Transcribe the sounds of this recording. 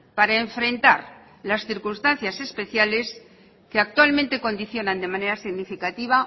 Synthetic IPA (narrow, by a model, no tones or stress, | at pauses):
paɾaeɱfɾẽ̞nt̪aɾ | lasθiɾkunst̪anθjase̞spe̞θjale̞s | keak̚t̪ualmẽnt̪eko̞nd̪iθjo̞nãnd̪e̞mane̞ɾasiɣnifikat̪iβ̞a